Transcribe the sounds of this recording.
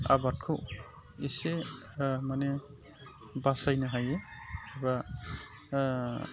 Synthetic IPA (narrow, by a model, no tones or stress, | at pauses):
a̰bat̚kʰo | ise | mane | basajnaɦajeiba